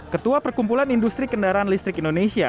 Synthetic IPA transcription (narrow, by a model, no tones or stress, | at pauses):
kət̪uapərkumpulanindust̪ɾikəndaɾaanlist̪ɾɪkindonesia̰